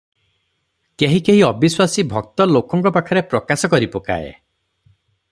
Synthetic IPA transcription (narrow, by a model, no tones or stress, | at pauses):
k̪eɦikeɦiɔbiswasibʱɔk̚t̪ɔlokɔŋkɔpakʰɔɾepɾɔkasɔkɔɾipoka̰ḛ